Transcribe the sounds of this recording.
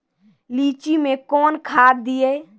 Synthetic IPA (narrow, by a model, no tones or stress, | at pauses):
liːt͡ʃimekɔːnkʰad̪d̪ije